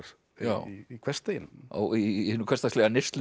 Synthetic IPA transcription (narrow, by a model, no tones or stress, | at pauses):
ja̰wiikʰvɛr̥st̪ejɪno̰ɣihʏnːʏkʰɛst̪aslɛɣanɪst̪lɪ